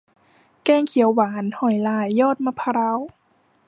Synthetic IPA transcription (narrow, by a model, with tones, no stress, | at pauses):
kɛː˧˨ŋkʰi˨˩˦əwːaː˨˩˦nhɔ˨˩jlaː˨˩jːɔː˥˩t̪̚maː˧pʰa˧ɾa˧˥˨w